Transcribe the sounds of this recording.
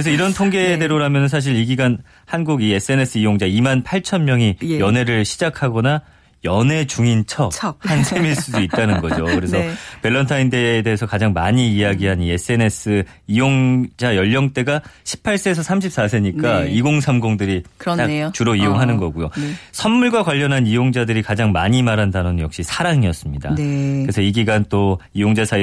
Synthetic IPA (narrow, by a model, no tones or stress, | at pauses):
kɾes̬ʰʌiɾʌntʰoŋɡe̞de̞ɾoɾamjʌnɯns̬ʰaɕ̬ʰiɾiɡiɡan | hanɡuɡie̞s͈ʰɯe̞ne̞s͈ʰɯijoŋd͡ʑaimanpʰaɭt͡ɕʰʌnmjʌŋijʌne̞ɾɯɭɕʰid͡ʑakʰaɡʌna | jʌne̞t͡ɕuŋint͡ɕʰʌk̚hansʰemiɭs͈udoit̚t͈anɯnɡʌd͡ʑokɯɾe̞s̬ʰʌpe̞ɭːʌntʰaindeːdeɦesʰʌkad͡ʑaŋmaɲiːjaɡiɦanie̞s͈ʰɯene̞s͈ʰɯ | ijoŋd͡ʑajʌʎːʌŋt͈e̞ɡaɕʰi̥pʰaɭs͈esʰʌsʰamɕʰip̚s͈as̬ʰe̞ɲik͈aiɡoŋsʰamɡoŋdɯɾiktat͡ɕuɾoioŋɦanɯnɡʌɡujosʰʌnmuɭɡwakwaʎːʌnɦanijoŋd͡ʑadɯɾikad͡ʑaŋmaɲimaɾandanonnjʌ̰k̚ɕ͈isʰaɾaŋiʌs͈ɯmɲida̰kɯɾe̞sʰʌiɡiɡant͈oijoŋd͡ʑasʰa